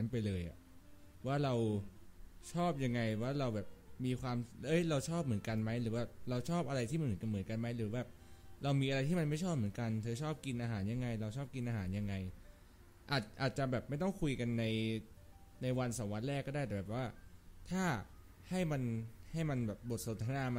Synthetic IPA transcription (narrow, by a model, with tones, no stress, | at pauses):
npa˧jlɤː˧jʔa̰˨˩ʔ | waː˥˩ɾa˧w | t͡ɕʰɔː˥˩p̚ja˧ŋːa˧jwaː˥˩ɾa˧wbɛː˨˩p̚miː˧kʰwaː˧mɤ˦˥jɾa˧wt͡ɕʰɔː˥˩p̚mɯ˩˦ə˦nka˧nma˦˥jɾɯː˩˦bɛː˥˩p̚ɾa˧wt͡ɕʰɔː˥˩p̚ʔa˧ɾa˧jt̪ʰi˥˩a˧˦nmɯ˩˦˥ka˧mɯ˩˦nka˧nma˦˥jɾɯː˩˦bɛː˥˩p̚ɾa˧wmiː˧ʔa˧ɾa˧jt̪ʰiː˥˩ma˧nma˥˩jt͡ɕʰɔː˥˩p̚mɯ˩˦ənka˧nt̪ʰɤː˧t͡ɕʰɔː˥˩p̚ki˧nʔaː˧ɦaː˩˦nja˧ŋːa˧jɾa˧wt͡ɕʰɔː˥˩p̚ki˧nʔaː˧ɦaː˩˦nja˧ŋːa˧j | ʔaː˨˩t̪̚ʔaː˨˩t̪̚t͡ɕa˨˩bɛː˨˩p̚ma˥˩jt̪ɔ˥˩ŋkʰu˧jka˧nːa˧j | na˧jwa˧nsa˩˦wa˦˥t̪̚ɾɛː˥˩kːɔ˥˩aː˥˩t̪ɛ˨˩ɛː˨˩waː˥˩t̪ʰaː˥˩ | ha˥˩jma˧nha˥˩jma˧nbɛː˨˩p̚bo˨˩t̪̚so˨˦nt̪ʰa˧naː˧m˧